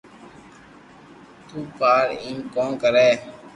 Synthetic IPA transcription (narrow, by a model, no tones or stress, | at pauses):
t̪uːpaːɾĩːmkoːnkəɾeː